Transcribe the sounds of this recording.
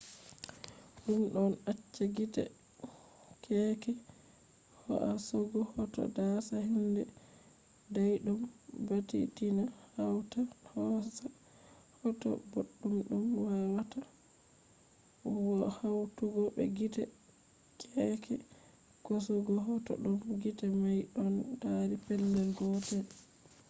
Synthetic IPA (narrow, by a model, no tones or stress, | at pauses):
ɗumɗɔnat͡ʃːaɡitɛ̰ | kʰɛkɛ | hɔ̰ʔasɔɡɔhɔtɔ̰dasahindɛ | dajɗumbatḭtinahawtahɔsa | hɔtɔ̰boɗːumɗumwawata | wɔhawtuɡɔbɛ̰ɡitɛ | kʰʼɛkʰɛ | kɔsɔɡɔɦɔtɔ̰ɗumɡitamajɗɔndaɾipɛlːɛlɡɔtɛl